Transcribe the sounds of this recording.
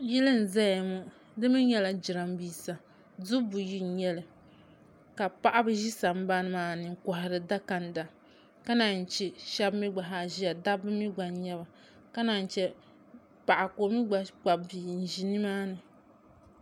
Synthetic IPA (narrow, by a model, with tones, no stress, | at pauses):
jɛ˦lɨ˦n̩˨za˦ja˨mʊ˦ | dɨ˦mɨ˦ɲɛ˦la˨d͡ʒi˨ɾa˨m˦biː˨sa˨ | dʊ˦bu˨ji˦˨˦ɲɛ˦lɨ˨ | ka˨pa˦ʔa˦bɨ˦ʒi˦sa˨m̩˦ba˦nɨ˦maː˦nɨ˨ŋ̩˨kɔ˨hɪ˨ɾɨ˨da˦ka˨nda˨ | ka˦na˨n̩˨t͡ʃi˨ʃa˦bmi˦ɡ͡ba˨ɦa˨ʒi˦ja˨da˦bɨ˦mi˦ɡ͡ba˨ɲɛ˦ba˨ | ka˦na˨n̩˨t͡ʃɛ˦ | pa˨ʔa˨ko˨˦mi˦ɡ͡ba˨ɡ͡ba˨biː˨n̩˨ʒi˨ni˦maː˦nɨ˨